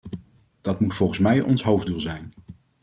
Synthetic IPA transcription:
d̥ɑtmutfɔlˠχənsmɛjʔɔnsɦowvdulˠzɛjn

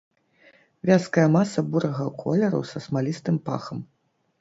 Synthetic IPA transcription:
vʲaskɐjɐmasɐbuɾɐɣɐkʰɔ̰lʲɛɾɐ̰wsɐsmalʲist̪ɨmpa̰xɐm

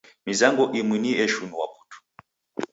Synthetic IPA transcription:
mizaŋɡɔʔimwiniɛʃunuwa̰pu̥tu̥

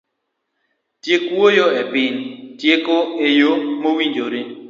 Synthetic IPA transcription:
tjekwojoepɪntjekoejomowiɲd͡ʒoɾe

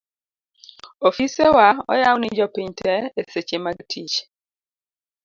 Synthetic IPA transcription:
ofisewaɔ̰jawnɪd͡ʒɔpiɲtɛeset͡ʃemaɡtʰit͡ʃ

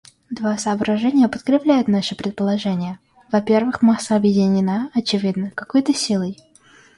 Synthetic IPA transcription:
d̪vasəːbɾɐʐɛnʲɪjəpət̪kɾʲɪplʲæjʊt̪naʂɨpɾʲɪt̪̚pəlˠɐʐɛnʲɪjə | vɐpʲe̞rvɨxmasəɐbjɪdʲɪnʲɪnaɐt͡ɕɪvʲid̪nəkɐkojt̪əsʲilˠəj

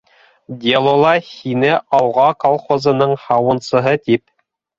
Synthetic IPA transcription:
d̪ʲelˠolˠɑhinɘʔɑwʁɑkolˠχozɤ̆nɤɴhɑwɤ̆nsɤ̆ɦɤt̪ip

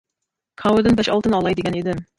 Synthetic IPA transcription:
kʰɑwod̪ɪnbɛʃɑlˠt̪ənɑlˠɑjd̪eɡʲɛned̪ɪm

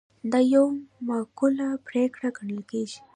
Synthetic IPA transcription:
d̪ajowmakulapɾekʰɽaɡəɳəlkeʃ

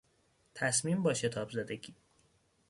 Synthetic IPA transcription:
t̪ʰæsmiːmbɒːʃe̞t̪ʰɒːbzæd̪eɡiː

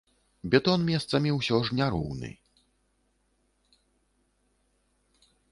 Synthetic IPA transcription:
bʲɛt̪ɔnmʲɛst̪samʲiwɕɔʐɲʲaɾṵwnɨ̰

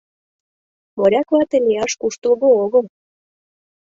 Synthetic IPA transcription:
moɾʲɑkvɑt̪elʲijɑʃkuʃt̪ə̆lɣooɣəl

